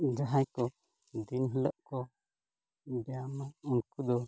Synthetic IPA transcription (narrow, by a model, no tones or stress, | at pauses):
d͡ʒaɦajkɔ | d̪inɦilɔʔkɔ | bɛamaunkud̪ɔ